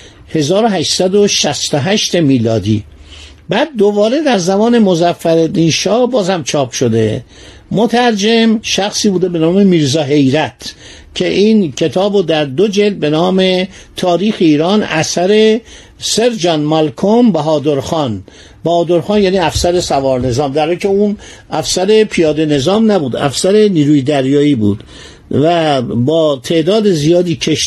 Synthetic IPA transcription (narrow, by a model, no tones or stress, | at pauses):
he̞zɒːɾoɦæʃsæd̪oʃæst̪oɦæʃt̪e̞miːlɒːd̪ḭː | bæːd̪̚ːobɒːɾe̞d̪æɾzæmɒːne̞mozæfːæɾed̪inʃɒːbɒːzhæmt͡ʃʰɒːpʃod̪e̞̰ | mot̪ʰæɾd͡ʒemʃæxsiːbuːd̪ebe̞nɒːme̞miːɾzɒːɦe̞jɾæt̪ʰ | cʰe̞ʔiːncʰe̞t̪ʰɒːbod̪æɾd̪od͡ʒeld̪̚be̞nɒːme̞ | t̪ʰɒːɾiːxeiːɾɒːnæsæɾe̞ | seɾd͡ʒɒːnmælkʰombæɦɒːd̪oɾxɒːn | bæhɒːd̪oɾxɑːnjæːniːæfsæɾe̞sævɒːɾne̞zɒːmd̪æɾɒːicʰeun | ʔæfsæɾe̞pʰijɒːd̪ene̞zɒːmnæbuːd̪æ̰fsæɾe̞niːɾuːjed̪æɾjɒːiːbṵːd̪̥ | væbɒːt̪ʰe̞ʔd̪ɒːd̪ezijɒːd̪iːcʰeʃ